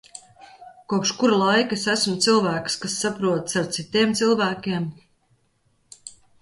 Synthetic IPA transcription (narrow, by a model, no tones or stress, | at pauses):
kuɔpʃkuɾalˠajkesæsmt̪silˠvæːkskasːapɾuɔt̪saɾt̪sit̪iɛmt̪silˠvæːkʲiɛm